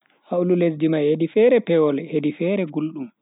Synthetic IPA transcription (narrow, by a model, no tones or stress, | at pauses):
haululesdimahedifɛɾɛpɛwɔlɛhedifɛːɾɛɡulɗum